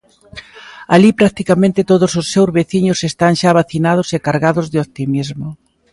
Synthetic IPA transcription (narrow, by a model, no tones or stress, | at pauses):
alipɾak̚t̪ikamẽnt̪ɪt̪oðʊsʊsːewzβeθiɲʊsest̪aŋʃaβaθinað̞ʊsekaɾɣaðʊzðɪop̚t̪imizmʊ